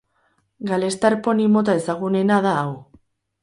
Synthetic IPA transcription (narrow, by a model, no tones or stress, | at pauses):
ɡale̞st̪aɾpo̞nimo̞t̪̬ae̞saɣ̞une̞naðaːw